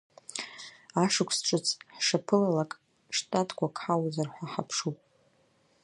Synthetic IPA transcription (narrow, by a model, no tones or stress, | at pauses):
aʂɨkʷʰsʈ͡ʂʷʼɨt͡sʰʼħʂapʰɨlalakʼ | ʂtʼatʰʼkʷʰakʰħawazarħʷaħapʰʂupʼ